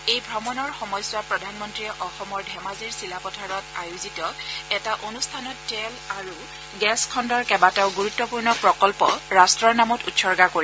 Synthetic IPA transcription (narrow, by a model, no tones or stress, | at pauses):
ejbʱɹɔmɔnɔɹxɔmɔjswapɹɔdʱanmɔntɹiʔɔxɔmɔɹdʱɛmaziɹsilapɔtʰaɹɔtajuzitɔɛtaʔonustʰanɔttɛlaɹu | ɡɛskʰɔndɔɹkɛbataʊɡuɹutːɔpuɹnɔpɹɔkɔlpɔɹastɹɔɹnamɔtṵtsɔɹɡakoɹi